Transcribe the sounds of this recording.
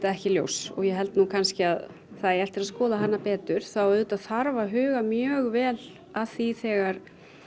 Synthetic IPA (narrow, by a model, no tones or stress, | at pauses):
t̪aɛhcɪljo̰wsɔɣjɛɦɛlt̪nuːkʰanscɪað | θaðɛɾɛft̪ɪɾaðskɔːðaɦanːapɛːt̪ʏɾ̥θawʏːðt̪aðθaɾvaɦʏːɣamjœːɣvɛːl | aðθiθɛːɣaɾ̥